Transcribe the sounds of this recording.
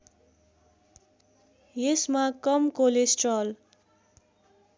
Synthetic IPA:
jesmakʌmkolesʈrʌl

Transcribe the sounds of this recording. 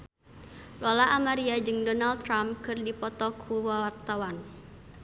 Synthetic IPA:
lɔlaʔamaɾiad͡ʒɨŋdɔnal̚t̪ːɾamkɨrdipɔt̪ɔkʰuwawart̪awan

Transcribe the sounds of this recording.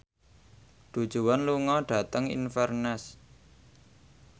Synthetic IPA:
d̪̥ṳ̥ʒ̥ṳwanluŋɔɖ̥a̤t̪əŋḭnfɛrnɛs

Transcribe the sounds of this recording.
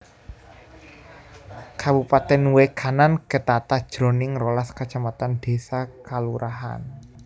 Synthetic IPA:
kabupat̪ɛnwekʰanankət̪at̪ad̥ʒ̥ɾo̤nɪŋrolaskat͡ʃamat̪and̪̥e̤sakaluɾaɦa̰n

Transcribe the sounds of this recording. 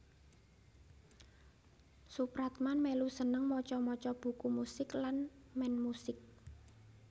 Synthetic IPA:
supɾat̪̚manmɛlusənəŋmɔt͡ʃɔmɔt͡ʃɔb̥ṳkumusɪklanmɛnmusɪk̚

